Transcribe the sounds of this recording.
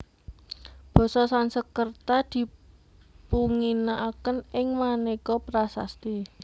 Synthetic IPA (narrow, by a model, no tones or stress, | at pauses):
b̥ɔ̤sɔsansəkərt̪ad̪̥i̤ | puŋinaʔːkənɪŋmanekɔpɾasa̰st̪i